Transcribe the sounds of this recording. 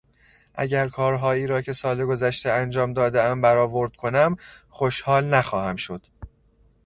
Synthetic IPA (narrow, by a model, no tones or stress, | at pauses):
ʔæ̰ɟæɾkʰɒːɾɦɒːjiːɾɒːcʰe̞sɒːleɡo̞zæʃt̪eænd͡ʒɒːmd̪ɒːd̪eæmbæɾɒːvo̞ɾd̪̥̚kʰo̞næmxoʃhɒːlnæxɒːhæmʃo̞d̪̥